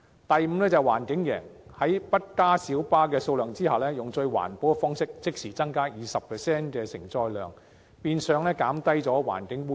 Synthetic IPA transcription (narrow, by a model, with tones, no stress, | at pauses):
t̪ɐ˨jm̩˧lɛː˥t͡sɐ˨˩wa̰ː˨˩nkɪ˨˥ŋjɛ̰ː˨˩ŋhɐ˨˥jpɐ˥t̚kaː˥siː˨˥wpaː˥kɛː˧so˧wlœː˨˩ŋt͡siː˥hɐ˨˩wlɛː˥jʊ˨ŋt͡sɵ˧ɥwa̰ː˨˩npo˨˥fɔː˥ŋsɪ˥k̚t͡sɪ˥k̚siː˨˩t͡sɐ˥ŋkaː˥jiː˨˩sɐ˨p̚ʰɛː˨˩sɛː˥nkɛː˧sɪ̰˨˩ŋt͡sɔː˧jlœ̰ː˨ŋ | piː˧nsœː˨˧ŋlɛː˥kaː˨˥mt̪ɐ˥jt͡sɔː˨˥wa̰ː˨˩nkɪ˨˥ŋuː˥